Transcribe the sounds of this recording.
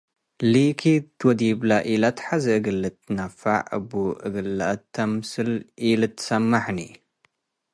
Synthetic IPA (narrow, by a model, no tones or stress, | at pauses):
likʰit̪ʰwɔd̪iblaʔilat̪ħazɐɨɡɨlːɨt̪ːɨnafa̰ʕɨ̰buʔɨɡɨlːʔɐt̪ʰːɐmsɨlʔilɨt̪ʰːɨ̥sɐmːaħni